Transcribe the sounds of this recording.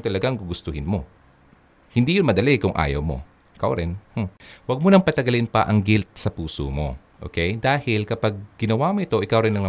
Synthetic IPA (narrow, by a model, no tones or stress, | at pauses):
t̪ɐlɐɡaŋɡʊɡʊst̪ʊhɪnmo̞ | hɪnd̪ijʊnmɐd̪ɐlɛkʊŋʔa̰ːjɐ̰wmo̞̰ | ʔɪka̰wɾɪnh̩wɐɡ̚monɐŋpɐt̪ɐɡɐlɪnpɐʔɐŋɡɪlt̪̚sɐpuːso̰mo̞̰ʔo̰ːkɛjd̪aːhɪlkɐpaɡ̚ɡɪnɐwamoʔɪt̪o̞ʔɪkawɾɪnːɐŋnɐ